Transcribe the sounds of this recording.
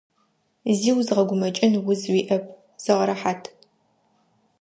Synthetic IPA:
ziːwzʁɐɡʷʊmɐt͡ʃʼɪnwʊzwiːʔɐp̚ʰ | z̥ɐʁɐɾɐħaːtʰ

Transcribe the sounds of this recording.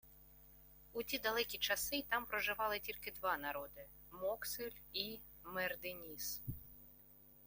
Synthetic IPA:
utʲid̪ɐlˠɛkʲit͡ʃɐsɪt̪ɑmpɾɔʒɪʋɑlˠɪtʲilʲkɪd̪ʋɑnɐɾɔd̪ɪ | mɔksɪlʲi | mɛrd̪ɪnʲis

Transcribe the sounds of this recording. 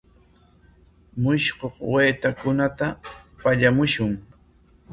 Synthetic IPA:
mʊʃkoχweːt̪akʊnat̪apaʎamʊʃʊŋ

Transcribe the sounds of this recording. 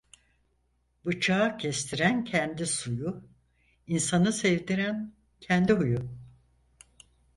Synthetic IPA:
bɯt͡ʃʰaːcʰɛst̪ʰiɾæncʰɛnd̪isujʊ | insanɯsɛvd̪iɾæn | cʰɛnd̪iɦuju

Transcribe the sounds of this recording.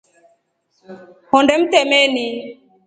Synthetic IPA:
hɔndɛm̩t̪ɛmɛni

